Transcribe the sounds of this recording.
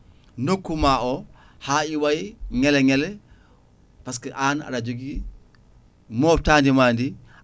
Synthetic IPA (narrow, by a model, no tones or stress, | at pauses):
nokːumaʔɔ | haːiwajiŋɛlɛŋɛlɛ | pas̬kɛʔaːna̰ɾad͡ʒoɡi | mɔːf̚taːndimaːndi